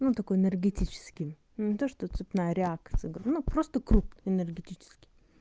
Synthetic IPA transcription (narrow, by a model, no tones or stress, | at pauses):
nut̪ɐkojɪnʲɪrɡʲɪtʲit͡ɕɪ̥skʲɪj | nnʲɪt̪oʂt̪ot̪sɨpʲnajəɾʲɪakt̪sɨ̰jɡɾʲnupɾost̪əkɾupnɪnʲɪrɡʲɪtʲit͡ɕɪ̥skʲɪ̥j